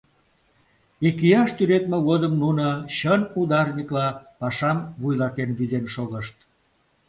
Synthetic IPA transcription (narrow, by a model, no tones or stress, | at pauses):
ekijɑʃt̪yɾet̪meɣod̪əmnunəɕənud̪ɑrnʲiklɑpɑʃɑmβujlɑt̪enβyzenʃoɣəʃt̪̚